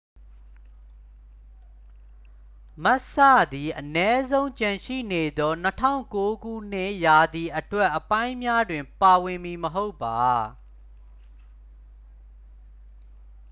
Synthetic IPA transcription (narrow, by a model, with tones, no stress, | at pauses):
ma˦ʔsa̰˦˨d̪i˨ʔənɛ˦zõ˦ʊ̃ɲt͡ɕã˨ʃḭ˦˨ne˨d̪ɔ˦nətʰã̰˦˨ʊ̃ŋko˦ɡṵ˦˨n̥ɪ̰̃˦ʔja˨d̪i˨ʔətwɛ˦ʔːəpã˦ɪ̃mja˦dwɪ̃˨mpa˨wɪ̃˨mi˨məɦo˦ʊpːa˨